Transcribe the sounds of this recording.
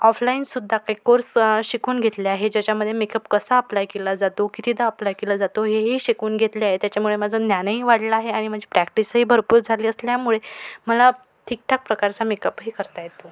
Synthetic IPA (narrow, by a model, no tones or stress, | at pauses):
ɔflainsud̪ʱːakajkoɾsɕikuːnɡʱet̪leaɦed͡ʑat͡ɕjaməd̪ʱːjemekəpkəsaəplajkelad͡zat̪okit̪ʰiːd̪aəplajkelad͡zat̪oɦeɦiɕikuːnɡʱet̪liaɦet̪jat͡ɕjamuɭemad͡zʱənjanɦiːʋaɽlaːɦeaɽ̃im̤ə̃d͡ʑʱipɾækʈisɦiːbʱəɾpuːɾd͡zʱaliːəsljamuɭeməla | ʈʰik̚ʈʰak̚pɾəkaɾt͡samekəpɦiːkəɾt̪ajet̪o